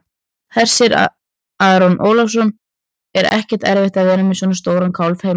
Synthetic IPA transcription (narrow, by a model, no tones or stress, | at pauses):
hɛr̥sɪɾ̰ | aːðɾɔnʔo̰ːwlɔfs̬ɔn | ɛɾɛ̰hcɛ̥ɾ̥t̪ɛɾvɪht̪avɛːnamɪsɔnast̪oːwɾankʰawlfhej